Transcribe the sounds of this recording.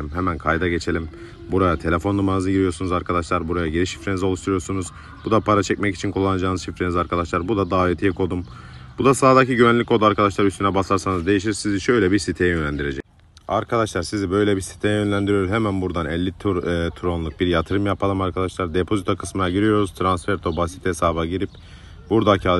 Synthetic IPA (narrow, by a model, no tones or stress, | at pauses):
imɦemænkʰajd̪aɟe̞t͡ʃʰe̞lʲim | buɾajat̪ʰe̞lʲe̞fo̞nːumanɯzɯɟiɾijo̞ɾsunuzaɾkʰad̪aʃlˠaɾbuɾajaɟiɾiʃi̥fɾenizo̞lˠuʃt̪ʰuɾujoɾsunuz̥ | bud̪apʰaɾat͡ʃʰɛcmɛci̥t͡ʃʰinkʰulˠːanad͡ʒaːnɯzʃifɾenizaɾkʰad̪aʃlˠaɾbud̪ad̪aːet̪ʰijɛkʰo̞d̪um | bud̪asaːd̪acʰiɟyvænlʲickʰod̪uaɾkʰad̪aʃlˠaɾyst̪ʰynɛbasaɾsanɯzd̪e̞jiʃ̬iɾsiziʃø̞jlʲɛbiɾsit̪ʰejɛjønlʲænd̪iɾe̞d͡ʒɛc̚ | aɾkʰad̪aʃlˠaɾsizibø̞jlʲɛbisi̥t̪ʰejɛjønlʲænd̪iɾijouzɦemænbuɾd̪anɛlʲːit̪ːt̪ʰuɾonlˠuk̚biɾjat̪ʰɯɾɯmjapʰalˠɯmaɾkʰad̪aʃlˠaɾd̪e̞pʰo̞zit̪ʰokʰɯ̥smɯjaɟiɾijo̞ɾuz̥t̪ʰɾansfɛɾt̪ʰo̞basi̥t̪hesaːbaɟiɾip | buɾd̪acʰa